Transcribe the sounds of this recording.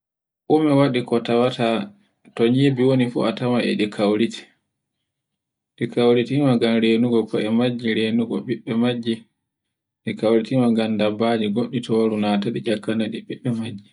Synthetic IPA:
ʔumɛwaɗikɔtawata | tɔɲibiwonifṵatamaʔɛ̰ɗikʰawɾiti̥ | ɗikawɾitimaɡanɾeːnuɡɔkɔɛmad͡ʒːiɾeːnuɡɔɓiɓːɛmad͡ʒːi | ɗikawɾitimaɡandabːad͡ʒiɡoɗːitɔwaɾunataɗid͡ʒakːanaɗiɓiɓːɛmad͡ʒːi

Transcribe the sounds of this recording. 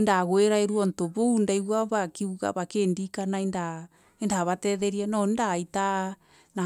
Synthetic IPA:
ndaɣoeɾaeɾuɔntoβoundaiɣwaβakiuɣa̰βakendikanaenda | endaβatɛðɛɾianɔindaita | na

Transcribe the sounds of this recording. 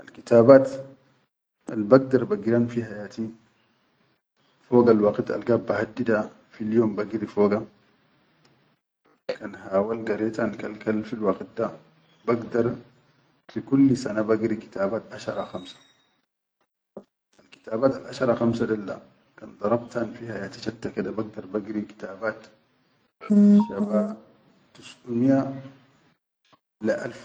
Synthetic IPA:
ʔɐlkɪt̪aːbaːt̪ | ɐlbɐɡ̚d̪ɐɾbɐɡɪɾanfihajaːt̪ʰiː | foːɡɐlwaqɪt̪ɐ̰lɡɐbːahad̪ːɪd̪a | filjoːmbɐɡɪɾifoːɡa | kʰɐnhaːwɐlɡɐɾɛːt̪ankɐlkɐlfilwaqɪt̪ːa | bɐɡd̪ɐɾ | fikulːsanabaɡɾiki̥t̪aːbaːt̪ʔaʃɑ̰ɾˤɑxamsḁ | ʔalki̥t̪aːbaːt̪alʔa̰ʃɑɾˤɑxamsad̪ald̪a̰ | kand̪ˤɑɾˤɑbt̪anfiːhajat̪ḁʃat̪ːakid̪abaɡ̚d̪ɑɾˤbaɡɾiki̥t̪aːbaːt̪ | ʃaba | t̪usʔunja | laʔalf

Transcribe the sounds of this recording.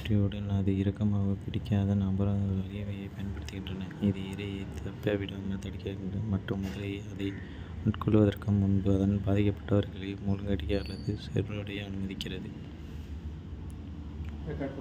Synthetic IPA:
ʈrɪjɯɽɐnaðɯɪɾɐkːɐmaːɣɐpɪɽɪkːaːðɐnaːbɐɾɐ̃ɯʋɐlɪjɐʋɐjɐɪpɐjɐnpɐɽɪt̪ːɯɣɪndrɐnɐɪðɯɪɾɐjɐɪt̪ʰɐpːaːʋɪɽɐɐmɐt̪ɐɽɪkːɐɣɪnrɐmɐʈrɯmʊðɐlɐjɐɐðɐɪ | ʊʈkɔɭʋɐðɐrkɯmʊnbɯɐðɐnbaːðɪkːɐpːɐ̥ʈːɐʋɐɾɣɐɭɐmuːlŋɡɐɽɪkːɐːlːɐðɯsɛ̰ɾɔɽɐjɐɐnɯmɐðɪkːɪrɐðɯ

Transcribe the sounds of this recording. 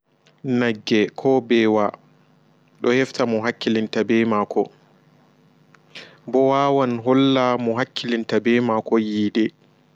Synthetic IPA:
naɡːɛkʰɔbɛwa | ɗɔhɛftamɔɦakːilintabɛmaːkʰɔ̰ | bɔwaːwanɦɔlːamɔɦakʰːilintabɛmakɔjiːdɛ

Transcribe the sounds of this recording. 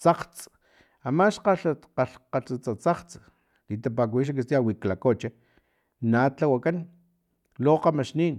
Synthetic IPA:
t͡saqt͡s | amaʃqaɬqaɬqaɬt͡sat͡sat͡saqt͡s | lit̪ap̬ak̬iʃ̬ak̬ist̪iawiklakot͡ʃe | natawakan | loqamaʃniːn

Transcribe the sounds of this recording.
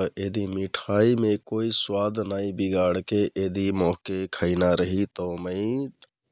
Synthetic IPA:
ʔed̪ʱimiʈʰaːimẽkoːiswaːd̪ʱnaːĩbiɡaːɽkeʔed̪imɔɦkekʰəinaɾəɦit̪oːməi

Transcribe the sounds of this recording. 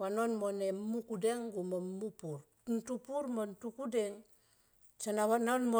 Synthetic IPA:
wanonmonemukudeŋɡumomupuɾ | ntupuɾmontukudeŋ | sanawanonmo

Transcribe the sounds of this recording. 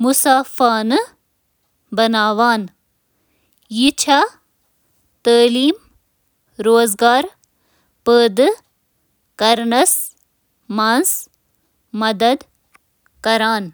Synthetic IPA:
musaːfaːnɨ | bɐnaːʋaːn | jit͡ʃʰa | t̪əːliːm | ɾoːzɡaːɾ | pəːd̪ | kɐɾnɐs | maːns | mɐd̪ɐd̪ | kɐɾaːn

